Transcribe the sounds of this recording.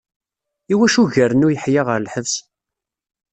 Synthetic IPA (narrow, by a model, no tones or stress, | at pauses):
iwæʃuʝæɾənʊjəħjɪʁəɾlħəvs